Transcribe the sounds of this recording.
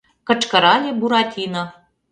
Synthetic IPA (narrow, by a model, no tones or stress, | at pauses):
kə̆ʈ͡ʂkəɾɑlʲebuɾatʲʰinə